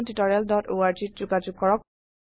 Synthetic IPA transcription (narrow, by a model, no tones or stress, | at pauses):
nditɔɹialdɔtoaɹtit̚zuɡad͡ʒuɡ̚kɔɹɔk